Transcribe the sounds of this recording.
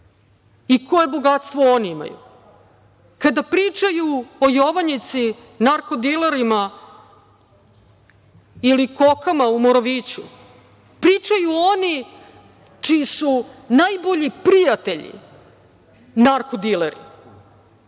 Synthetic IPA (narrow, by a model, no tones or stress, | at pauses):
iko̞jeboɡat̪st̪ʋooniima̰jṵ | kad̪apɾiːt͡ʂajuojoʋaɲit̪si | naɾkod̪ilˠeɾima | iliko̞kamaumoɾaʋiːt͡ɕṵ | pɾit͡ʂajuo̞ni | t͡ʂiːsunajbo̞ʎipɾijat̪eʎḭ | naɾkod̪ileɾḭ